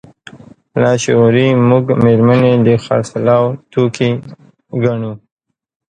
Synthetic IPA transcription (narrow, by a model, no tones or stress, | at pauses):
lɑʃoɾimʊɡmeɾmaned̪əxa̰slɑwt̪okʰe | ɡaɳu